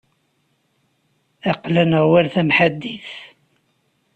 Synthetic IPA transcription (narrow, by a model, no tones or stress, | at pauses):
ɑqlænʁwælθæmħad̪ːiθ